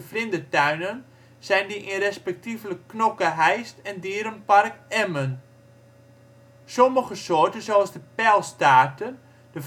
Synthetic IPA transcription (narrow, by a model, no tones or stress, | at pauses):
əflɪndətœɥnən | sɛjndiʔinrɛspɛk̚tivləkːnokəɦɛjstɛndiəɾənparkɛmən | soməχəsoːrtənzoɑlˠsdəpɛlˠstaːtən | də